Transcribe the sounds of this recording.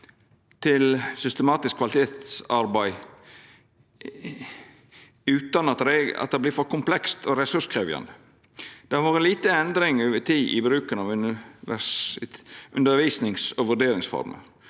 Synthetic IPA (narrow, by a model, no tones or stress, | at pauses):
t̪ʰɪlsʏst̪əmɑːt̪ɪskʰːʋɑlɪt̪ʰeːt̪sɑɾbæɪ | ʉːt̪ɑnɑt̪ɾeɑ̰t̪̚d̪ɛːblɪːɾfɔɾkʰʊmplɛkst̪ʰoːɾɛsʉʂkʰɾeːʋjɑ̰nd̪ə | d̪̥ɛɑʋoːʁənliːt̪əɛnd̪ɾɪŋøːʋət̪ʰiːʔɪ̰bɾʉːkənɑʋʉnʋæ | ʔʉnd̪əɾʋiːsnɪŋsoʋʉɖeːɾɪŋsfɔ̰ɾmə̰n